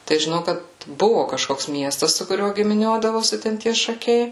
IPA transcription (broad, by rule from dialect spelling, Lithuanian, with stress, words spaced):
tɐɪ ʒʲɪˈnɐʊ ˈkɐt ˈbʊʋʊ kɐʃˈkoːks ˈmʲiɛstɐs sʊ kʊˈrʲuɔ ɡʲɪmʲɪˈnʲuɔdɐʋoːsʲɪ tʲɛn ˈtʲiɛ ʃɐˈkʲɛɪ